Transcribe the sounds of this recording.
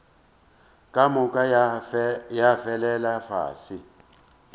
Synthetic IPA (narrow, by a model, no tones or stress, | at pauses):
kʼamukʼa | jafɛlɛlafa̰ːsi